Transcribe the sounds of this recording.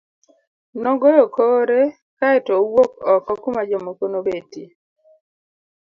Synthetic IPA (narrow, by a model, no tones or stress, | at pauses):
nɔɡɔjokoɾe | kaɛtowokɔkɔkʊmad͡ʒemokonobeti